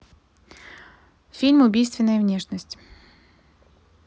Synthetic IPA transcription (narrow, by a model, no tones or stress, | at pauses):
fʲilʲmʊbʲijst̪vʲɪnːəjəvnʲeʂnəsʲtʲ